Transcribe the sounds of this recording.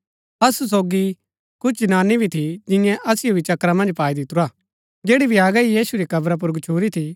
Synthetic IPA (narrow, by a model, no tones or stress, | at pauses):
ɐsus̬oːɡi | kʊt͡ʃʰnaːnibʱit̪ʰid͡ʒɪ̃jɛ̃ʔɐsɪjobʱit͡ʃɐkɾamɐ̃nd͡ʒpaːid̪ɪt̪uɾaː | d͡ʒeːɽibʱiaːɡɐijiːsuɾikɐbɾap̬ʊɾɡʊt͡ʃʰuːɾit̪ʰi